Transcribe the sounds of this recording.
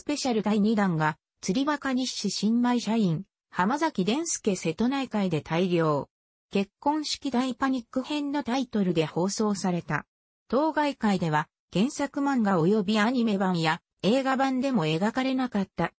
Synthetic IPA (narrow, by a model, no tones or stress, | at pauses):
sɨ̥pe̞ɕaɾɯ̟d̪aiɲ̟id̪ãŋɡa | t͡sɨɾʲiβakaɲiɕiɕĩmbaiɕaĩŋ | hamazakʲid̪ẽ̞ɰ̃sɨ̥ke̞se̞t̪o̞naikaid̪e̞t̪ʰaiɾʲo̞ː | ke̞kːõ̞ɰ̃ɕi̥kʲid̪aipaɲ̟ikːɯ̟hẽ̞nːo̞t̪ait̪o̞ɾɯ̟d̪e̞ho̞ːso̞ːsaɾe̞t̪a̰ | t̪o̞ːɡaikaid̪e̞β̞a | kẽ̞ɰ̃sakɯ̟mãŋɡaojo̞bʲiaɲ̟ime̞bãɰ̃ja | e̞ːɡabãnd̪e̞mo̞e̞ɡakaɾe̞nakat̪ːa